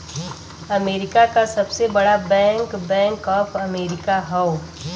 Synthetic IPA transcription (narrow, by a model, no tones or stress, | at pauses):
ɐmeːɾɪkakasɐbsebɐɽabɛ̃ːŋkbɛ̃ːŋkɔːpɐmeːɾɪkaɦɐʊ